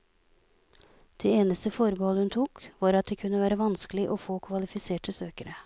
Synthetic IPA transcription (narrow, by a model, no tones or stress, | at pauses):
d̪̥eːeːnəst̪əfɔɾbəhɔləhʉnt̪ʰuːkʋɑːɾɑt̪̚d̪eːkʰʉnːəʋæːɾəʋɑnskəlɪʔɔfoːkʰʋɑlɪfɪseːʈəsøːkəɾə